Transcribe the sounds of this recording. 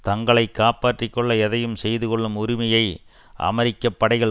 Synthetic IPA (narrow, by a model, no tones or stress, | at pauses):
t̪ɐŋɡɐɭɐɪkːaːpaːʈrɪkːɔɭːɐɛðɐjɯmsɛjðɯkɔɭːɯmʊɾɪmɐjɐɪ | ʔɐ̰mɐɾɪkːɐpːɐɽɐɪɣɐɭ